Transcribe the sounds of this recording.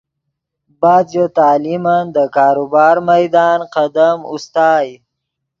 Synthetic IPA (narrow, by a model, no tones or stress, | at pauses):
bɑːd̪jot̪ɑːlimand̪əkɑːɾubɑːɾmajd̪ɑːnqad̪amṵst̪ɑːj